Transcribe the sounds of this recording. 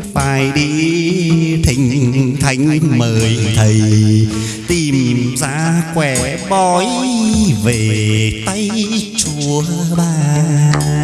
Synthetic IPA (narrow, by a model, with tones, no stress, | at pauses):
faː˧˨˩jɗi˧˦ | t̪ʰï˧˩ŋ̟t̪ʰa˧˦jŋ̟məː˨˩jt̪ʰə˨˩j | t̪i˨˩mza̰ː˧˥kwɛ˧˩ | ɓɔ˧˦j | ve˨˩t̪a˧jt͡ɕu˧˦əɓaː˧˩